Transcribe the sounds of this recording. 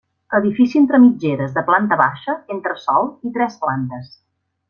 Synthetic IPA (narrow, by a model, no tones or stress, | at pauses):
əðifisient̪ɾəmid͡ʒeɾəzðəplant̪əβaʃəent̪ɾəsɔlˠit̪ɾɛsplant̪əs